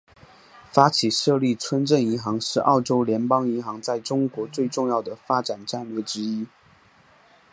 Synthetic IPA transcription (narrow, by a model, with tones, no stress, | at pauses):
fa˥t͡ɕʰi˨˩ʂɤ˥˧li˥˩t͡sʰwə˥nʈ͡ʂə˥˩ni˧˥nxɑ˧˥ŋʂɻ̩˥˧ʔɑ̰˥˩ʊʈ͡ʂo˥ʊljɛ˧˥npɑ˥ŋi˧˥nxɑ˧˥ŋt͡sa˥˩ɪʈ͡ʂʊ˥ŋkwɔ˧˥t͡swe˥˧ɪʈ͡ʂʊ˥˧ŋjɑ˥˩ʊd̪ə˩fa˥ʈ͡ʂa˨˩nʈ͡ʂa˥˧nlɥɛ˥˩ʈ͡ʂɻ̩˥i˥